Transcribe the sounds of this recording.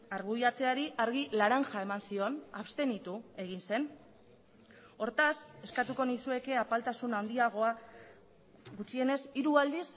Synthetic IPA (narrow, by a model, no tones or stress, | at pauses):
aɾɣ̞ujat͡se̞aɾiʔaɾɣilaɾaŋʝae̞mansio̞naβst̪e̞nit̪ue̞ɣ̞inse̞n | o̞ɾt̪ase̞skat̪uko̞nisue̞ke̞apalt̪asunawnd̪iaɣ̞o̞a | ɣut͡ʃie̞ne̞siɾuald̪is